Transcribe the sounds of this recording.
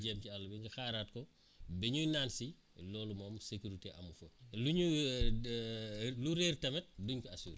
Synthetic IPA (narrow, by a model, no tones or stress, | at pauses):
d͡ʒɛmcialːubiŋɡɐxaːɾaːt̚kɔ | bɛɲujnaːnsi | lɔːlumɔːmsekuɾiteʔɐmufoluɲu | luɾeɾtɐmɛt̚duɲkiɐsṵːɾ